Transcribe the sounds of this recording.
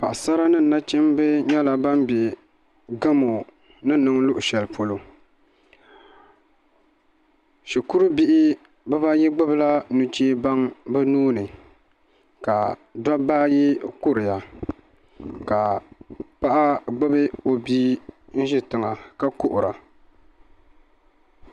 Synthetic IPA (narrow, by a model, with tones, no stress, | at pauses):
pa˨ʔsa˦ɾa˦nɨ˦˨n˨na˦t͡ʃɛ˦mbɨ˦ɲɛ˦la˨ba˦mbe˨ | ɡa˦mo˨ | nɨ˦nɨ˦ŋlʊ˦ʔʊ˨ʃɛ˨lpʰo˦lo˦ | ʃi˨ku˦ɾɨ˦bi˦ʔɪ˦ | bɨ˦ba˦ji˦ɡ͡bʊ˦bɨ˦la˦nu˦t͡ʃeː˦ba˦ŋbɨ˦nuː˦nɨ˨ | ka˨dɔ˦baː˦ji˦kʊ˦ɾɪ˨ja˨ | ka˨pa˦ʔa˦ɡ͡bʊ˦bɨ˦o˨biː˦n̩˦ʒɪ˦tɨ˨ŋa˨ka˦kʊ˦ʔʊ˨ɾa̰˨